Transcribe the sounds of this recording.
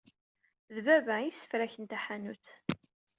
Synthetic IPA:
ðvævæisːə̥fɾæçənt̪æħænut͡s

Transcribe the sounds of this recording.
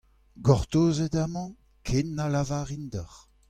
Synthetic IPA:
ɡɔʁt̪oːzedamɑ̃ | kʰenːalavaːʁind̪aʁ

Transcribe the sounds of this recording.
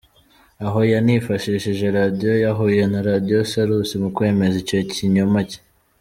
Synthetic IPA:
aɦo̞janifaʃiʃiʒe̞ɾadijo̞jaɦuje̞naɾadijosaɾusimukwe̞ːme̞ziceciɲomace̥

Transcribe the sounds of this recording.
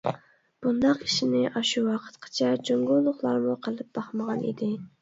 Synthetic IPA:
b̥und̪ɑqiʃinɪʔɑʃuwɑqʰə̥t̪qʰɑ̥t͡ʃʰɛd͡ʒoŋɡulˠːʊχlˠɑɾmuqʰəlˠɨp̚bɑχməʁɑnḭd̪ɪ

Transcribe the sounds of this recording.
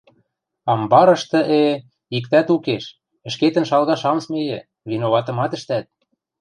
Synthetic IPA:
ɑmbɑɾɤ̆ʃt̪ɤ̆ʔe | ikt̪æt̪ukeʃ | ə̆ʃket̪ə̆nʃɑlɣɑʃɑmsmejĕ | vinoβɑt̪ɤ̆mɑt̪ə̆ʃt̪æt̪̚

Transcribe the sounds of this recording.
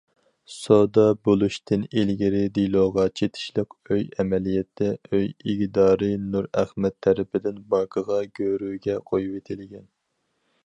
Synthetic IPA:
sod̪ɑbolˠuʃt̪ʰɨnilɡʲiɾɪd̪ijlˠoːʁɑt͡ʃʰet̪ʰɪ̥ʃlˠəqøjɛmɛlijɛt̪ʰːɛʔøjiɡd̪ɑːɾɨnuɾæχmɛt̪ʰːɛɾɪpʰɪd̪ɪnbɑkʰəʁɑɡʲøɾyːɡʲɛqʰojupet̪ʰɪlɪɡʲɛn

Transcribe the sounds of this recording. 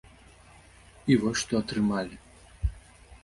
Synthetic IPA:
ivɔʂt̪ɔɐt̪ɾɨmalʲɪ

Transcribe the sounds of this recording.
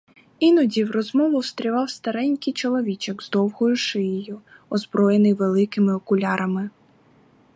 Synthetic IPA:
inɔdʲiwrɔzmɔʋʊwst̪ɾʲiʋɑwst̪ɐɾɛnʲkɪjt͡ʃɔlˠɔʋʲit͡ʃɛɡzd̪ɔwhɔjʊʃɪjɪjʊ | ɔzbɾɔjenɪjʋelˠɪkɪmɪɔkʊlʲɑɾɐmɪ

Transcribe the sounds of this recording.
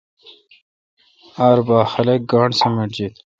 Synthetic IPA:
aːɾbaːxɐlek̚ɡaːɳsɐmeʈd͡ʑit̪

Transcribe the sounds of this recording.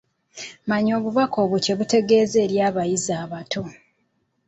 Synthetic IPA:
maɲo̞ːβuvako̞ːβuce̞βute̞ɡe̞ːze̞ːɾjaːβajizaːβatʰo̞

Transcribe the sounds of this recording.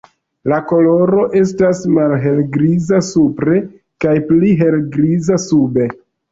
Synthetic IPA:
lako̞lo̞ɾo̞ʔe̞s̬tasmalɦe̞lɡɾizasupɾe̞ | kajpliɦe̞lɡɾizasube̞

